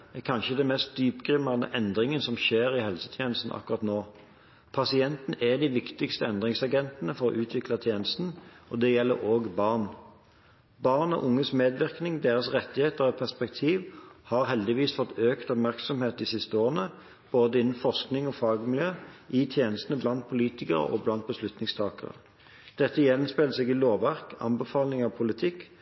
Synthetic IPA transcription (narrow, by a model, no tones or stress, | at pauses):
ɛkʰɑnʃəd̪ɛnmɛst̪̚d̪yːpɡʁɪmɑnə̰ʔɛnd̪ʁɪŋənsɔmʃeːʁɪhɛlsə̥t̪ʰjeːnəst̪n̩ʔɑ̰kːʊʁɑt̪noː | pʰɑsɪɛnt̪n̩ɛd̪ɪʋɪkt̪ɪkst̪əɛnd̪ʁɪŋsɑɡɛnt̪nəfɔɾɔ̰ʔʉːt̪ʰʋɪklɑt̪ʰjeːnəst̪n̩ɔd̪ɛjɛlːə̰ɾoːɡbɑʁn | bɑʁnɔ̰ʔʊŋːəsmeːd̪ʋɪʁknɪŋd̪eːʁəsʁɛt̪ːɪheːt̪əʁɛt̪̚pʰæʁspɛk̚t̪ʰiːʋhɑʁɦɛld̪ɪʋiːsfɔt̪ːʰøːkt̪ɔpmæʁksɔmheːt̪d̪isɪst̪əoːʁənə | b̥oːd̪əɪnːn̩fɔʁsknɪŋɔfɑːɡmɪljøːʔit̪ʰjeːnəst̪n̩əblɑnt̪̚pʰʊliːt̪ɪkəʁə̰ʔɔ̰blɑnt̪̚bəslʉt̪nɪŋst̪ʰɑːkə̰ʁə̰ | d̪̥ɛt̪ːəjɛnspɛləsɛɡɪloːʋæʁkɑ̰mbəfɑːlnɪŋɑʋpʰʊlɪt̪ʰɪkː